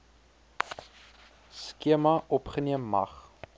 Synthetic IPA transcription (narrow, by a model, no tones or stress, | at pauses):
skiəmɐʔɔpχəniəmːɐ̰χ